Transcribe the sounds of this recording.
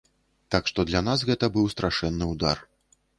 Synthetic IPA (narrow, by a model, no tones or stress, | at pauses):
t̪akʂt̪ɔd̪lʲan̪as̬ɣɛt̪ɐbɨwst̪ɾaʂɛnːɨud̪ar